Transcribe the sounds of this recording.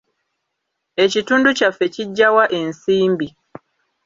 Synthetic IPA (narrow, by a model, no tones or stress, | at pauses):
ecituːnducafeciɟːawaʔe̞nsiːmbi